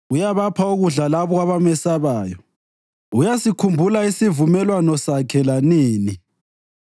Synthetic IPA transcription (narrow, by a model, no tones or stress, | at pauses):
ujaβapʰauɣuɮalaβɔɣwaβamɛsaβaːjɔ | ujasikʰumbʱulaisivumɛlwanɔsakʰɛlaniːni